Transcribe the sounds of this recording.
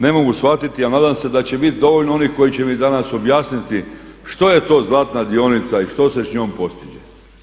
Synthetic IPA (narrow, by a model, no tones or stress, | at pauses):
nemo̞ɡusʋat̪it̪ianaːd̪amsed̪at͡ɕe̞bit̪d̪o̞ʋo̞ʎnoo̞nihko̞jit͡ɕe̞mid̪anaso̞bjaːsnit̪i | ʃt̪o̞je̞t̪o̞ːzlˠaːt̪nad̪io̞nit̪saiʃt̪o̞se̞sɲoːmpo̞st̪id͡ʒe